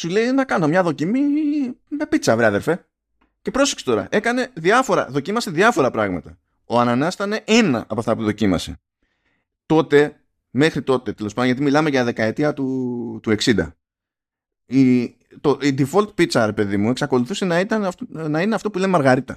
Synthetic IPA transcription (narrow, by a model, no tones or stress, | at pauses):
sule̞inɐkɐno̞mɲɐðo̞cimi | me̞pit̪t͡sɐvɾeiɐðe̞ɾfe̞ | ce̞pɾo̞sekse̥t̪o̞ɾɐ̰ʔe̞kɐne̞ðiɐfo̞ɾɐ̰ðo̞cimɐse̞ðiɐfo̞ɾɐpɾɐɣmɐt̪ɐ | o̞ɐnɐnɐst̪ɐne̞ʔe̞nɐ̰ʔɐpoɐft̪ɐpuðo̞cimɐ̰se̞̰ | t̪o̞t̪e̞ | me̞xɾit̪o̞t̪e̞t̪e̞lo̞sɐd̪ojɐt̪imilɐmeʝɐðe̞kɐe̞t̪iɐt̪ut̪ue̞ksind̪ɐ̰ | i | t̪oʔid̪ifo̞lt̪pitt͡sɐɾe̞pe̞ðimue̞ksɐko̞luθuse̞nɐit̪ɐnnɐineɐft̪o̞pulemmɐɾɣɐɾit̪ɐ